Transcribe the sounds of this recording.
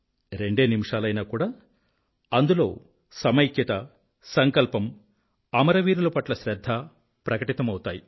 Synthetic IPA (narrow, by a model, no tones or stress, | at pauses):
ɾe̞ɳɖeːnimiʂaːlɐjnaːkuːɽaː | ɐnd̪ulo̞ː | sɐmɐjkjɐt̪ɐ | sɐŋkɐlpɐm | ɐmɐɾɐʋiːɾulɐpɐʈlɐʃɾɐd̪ʱːa | pɾɐkɐʈit̪ɐmɐwut̪aːji